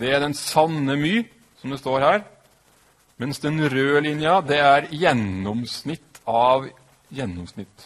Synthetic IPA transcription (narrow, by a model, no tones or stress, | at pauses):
d̪ɛæɖ̪ɛnsɑnːəmyː | sɔmd̪ɛst̪oːɾhæːɾ | mɛnsd̪ɛnɾøːlɪnjɑd̪ɛæɾjɛnːɔmsnɪt̪ːɑʋ | jɛnːɔmsnɪt̪ː